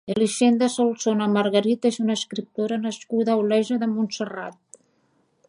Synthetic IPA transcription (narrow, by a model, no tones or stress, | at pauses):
eliʃend̪əsolsonamaɾɣəɾit̪ezunaːskɾip̚t̪oɾanəskuðaulɛʒəðəmunsəra̰t̪̚